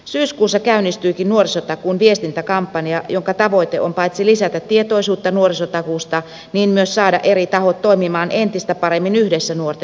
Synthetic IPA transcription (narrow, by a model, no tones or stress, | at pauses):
syːskuːsːɑkæynːˑist̪yikinnuorisot̪ɑkuːnʋiest̪int̪ækɑmpːɑniɑjoŋkɑt̪ɑʋoit̪eʔompɑit̪silisæt̪æt̪tːiet̪oisuːt̪ːɑnuorisot̪ɑkuːst̪ɑ | niːnmyøssɑːdɑʔeɾit̪ɑhot̪toimimɑːnʔent̪ist̪æpɑɾemːinyhdesːænuort̪e